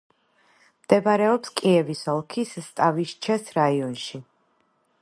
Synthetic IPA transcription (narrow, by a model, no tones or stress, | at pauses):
md̪̥ɛbaɾɛɔpskʼiɛvisɔlˠkʰisːt̪ʼaviʃt͡ʃʰɛsɾaiɔnʃi